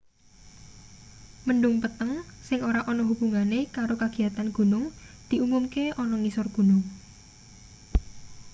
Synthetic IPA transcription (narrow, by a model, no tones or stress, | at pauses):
məɳɖʊŋpət̪əŋsɪŋoɾaʔɔnɔɦub̥ṳŋanekaɾokaɡ̥i̤at̪anɡ̥ṳnʊŋ | d̪̥i̤ʔumumkeʔɔnɔnisɔrɡ̥ṳnʊŋ